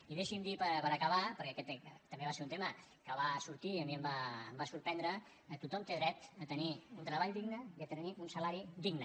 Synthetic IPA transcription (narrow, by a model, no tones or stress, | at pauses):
iðeʃimd̪ipəpəɾəkəβ̞apəɾkɛkɛt̪t̪ːəmbeβaseɾunt̪emə | kəβasuɾt̪iəmiəmbaːmbasuɾpɛnd̪ɾə | t̪ut̪ɔmt̪eðɾɛt̪ət̪əniunt̪ɾəβaʎd̪iɡnəiət̪əniunsəlaɾid̪iɡnə